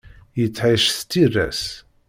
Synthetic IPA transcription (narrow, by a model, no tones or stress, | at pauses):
jət͡sːʕaʃθt̪ːirːæ̰s